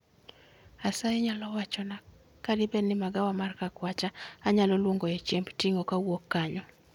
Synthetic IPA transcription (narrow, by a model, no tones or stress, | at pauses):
asaɛɲalɔwat͡ʃɔna | kadɪbɛnɪmaɡawamarkakwat͡ʃaːɲalɔlwoŋɡoet͡ʃɛmbtiŋokawokːaɲɔ